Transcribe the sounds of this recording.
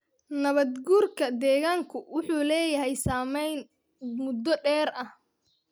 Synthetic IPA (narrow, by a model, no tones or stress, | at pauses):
nɐβɐd̪ɡuːrkʰɐd̪ɛːɣaːŋkʰʊwʊħuːlɛːjɐɦɛjsaːmɛjn | mʊd̪ːɔɖɛːɾɐh